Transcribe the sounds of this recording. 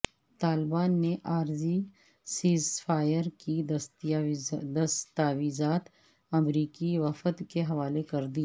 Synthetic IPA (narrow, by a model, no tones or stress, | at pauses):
t̪aːlbaːnːeʔaːɾzi | siːzfʰaːjəɾkist̪ | d̪ɐst̪aːʋiːzaːt̪ | ɐmɾiːkiʋɐfət̪keɦɐʋaːlekɐɾd̪i